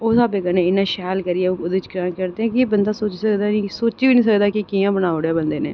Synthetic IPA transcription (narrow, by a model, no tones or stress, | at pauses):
oːsaːbeːkənẽːɪnːaːʃɛːlkəɾijɛːʊd̪et͡ʃkɾaːnkəɾd̪eːɛ̃ːkɪeːbənd̪aːsoːt͡ʃisəkd̪aːnĩsoːt͡ʃiːʋiːnĩːs̬əkd̪aːkɪkiːjãːbənaːoɽeaːbənd̪eːnḛː